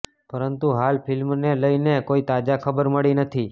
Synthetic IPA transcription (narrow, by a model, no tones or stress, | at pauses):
pəɾənt̪uɦalpʰɪlmneləjnekoit̪ad͡ʒakʰəbəɾməɭinət̪ʰi